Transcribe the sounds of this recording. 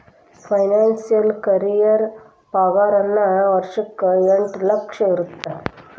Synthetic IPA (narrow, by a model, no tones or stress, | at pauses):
fʰɐjnaːnsijɐlkɐɾijɐɾ | paːɡaːɾɐnːɐʋɐɾʂɐkːɯeɳʈlɐkʂɐiɾut̪ːa